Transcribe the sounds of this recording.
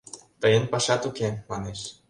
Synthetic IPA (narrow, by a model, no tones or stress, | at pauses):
t̪ɤjənpɑʃɑt̪ukemɑneʃ